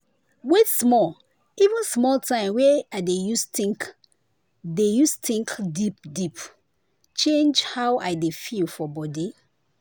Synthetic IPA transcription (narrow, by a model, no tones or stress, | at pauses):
wetsmɔl | ivũnsmɔltʰãɪ̃mwɛaɪdejustĩŋk | dejustĩŋkdip̚dip | t͡ʃẽnd͡ʒhawʔaɪdefilfɔbɔdi